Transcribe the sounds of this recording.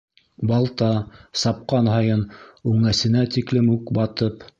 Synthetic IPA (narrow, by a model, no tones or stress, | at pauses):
bɑlˠt̪ɑsɑp̚qɑnhɑjɤnʉŋæsɘ̆næt̪iklɘmʉkbɑt̪ɤp